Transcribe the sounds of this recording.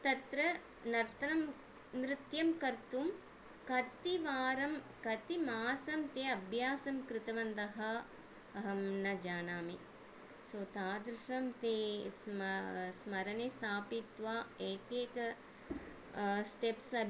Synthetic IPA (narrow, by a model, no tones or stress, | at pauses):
t̪ɐt̪ɾɐ | nɐɾt̪ʰɐnɐm | nɾɪt̪jɐmkɐɾt̪um | kɐt̪iʋaːɾɐm | kɐt̪imaːsɐmt̪jeːɐbʱjaːsɐmkɾɪt̪ɐʋɐnd̪ɐɦɐ | ɐɦɐmnɐd͡ʒaːnaːmi | soːt̪aːd̪ɾuʂɐmt̪eːsmsmɐɾɐnest̪ʰaːpit̪ʋaːeːkeːkɐ | sʈepsɐ